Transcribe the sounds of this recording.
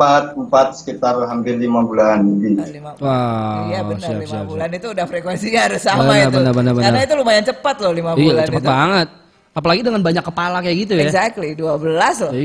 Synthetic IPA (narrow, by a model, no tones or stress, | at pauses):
at̪̚mpat̪̚sə̥kit̪arɦampɪrlimabulanɡili | aaəsiasiabsulanit̪uːdahfɾekwɛnsiɾʊsabmanəbənəbənərbənaənait̪̬ulumajaŋt͡ʃəpat̪lɔhlimabijaat͡ʃəppat̪̚baŋət̪̚ | apalaɡidəŋanbaɲakːəpalakajaɡit̪̬ujazak̚t̪liduabəlaslɔ